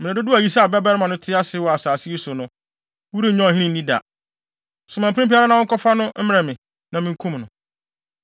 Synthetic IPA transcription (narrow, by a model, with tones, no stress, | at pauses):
mɪ̃˨ɪ̃˨dʊ˦dʊ˦a˨i˦sa˦a˨bɛ˦bɛ˦ɾmã˨nʊ̃˦tʰɪ˦a˦sɪ˦wɔ˨a˨saː˨sɪ˦i˦sʊ˨nʊ̃˦ | wu˦ɾi˦ɲɔ̃˦˨hɪ̃˦nĩ˦n̩˦nĩ˦da̰˨ | sʊ˨mã˨m˨pɪ̃˦pi˦a˦ɾa˦nã˨wʊ̃˦kɔ˦fa˦nʊ̃˦m̩˦mɪ̃˦ɛ̃˨mɪ̃˨ | nã˨mɪ̃˦˨˦kʰũ˦mnʊ̃˨